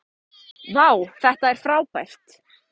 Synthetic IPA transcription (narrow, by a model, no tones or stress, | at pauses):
naːwθɛht̪aɛɾ̥fɾawpajl̥t̪